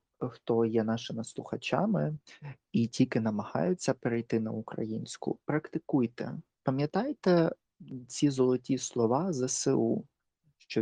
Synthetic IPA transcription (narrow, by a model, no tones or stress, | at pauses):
xt̪ɔjɛnɑʃɪmɪslˠʊxɐt͡ʃɑmɪ | itʲilʲkɪnɐmɐhɑ̰jʊt͡sʲːɐpeɾɛjt̪ɪnɐ̰ukɾɐ̰jinʲsʲkʊ̰pɾɐkt̪ɪkujt̪ɛ̰ | pɐmʲjɐt̪ɑjt̪ɛ | t͡sʲizɔlˠɔtʲislˠɔʋɑzɐsɪu | ʃt͡ʃɔ